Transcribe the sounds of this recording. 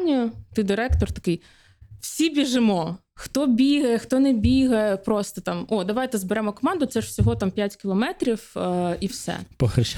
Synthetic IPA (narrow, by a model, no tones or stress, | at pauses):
nʲijʊt̪ɪd̪ɪɾɛkt̪ɔrt̪ɐkɪj | w̥sʲibʲiʒɪmɔ | xt̪ɔbʲiɦɐjxt̪ɔnɛbʲiɦɐjpɾɔst̪ɔt̪ɑmɔd̪ɐʋajt̪ɛzbeɾɛmɔkɔmɑnd̪ʊt̪sɛʂwsʲɔɦɔt̪ɑmpʲjatʲkʲɪlˠɔmɛt̪ɾʲifiwsɛ̰pɔxɐʃ